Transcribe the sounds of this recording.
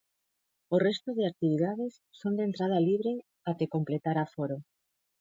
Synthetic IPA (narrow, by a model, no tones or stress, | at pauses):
orest̪oðeak̚t̪iβ̞iðað̞esːond̪ent̪ɾað̞aliβɾe | at̪ekomplet̪aɾafoɾo